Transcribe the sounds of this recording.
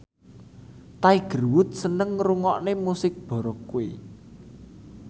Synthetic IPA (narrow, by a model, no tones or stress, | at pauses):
t̪aiɡ̥ə̤rwʊt̪̚sənəŋruŋɔʔnemusɪk̚b̥ɔ̤ɾɔkuwḛ